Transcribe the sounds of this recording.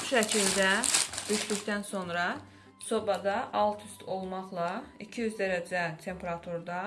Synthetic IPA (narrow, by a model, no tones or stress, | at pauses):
ʃæcʰild̪æb̪̥yʃlyçd̪ænso̞nɾɑ | so̞bɑd̪ɑʔɑlˠt̪ʰyst̪ʰo̞lˠmɑχlˠɑicʰijyzd̪æɾæd͡ʒæt̪ʰe̞mpʰeɾɑt̪ʰuɾd̪ɑ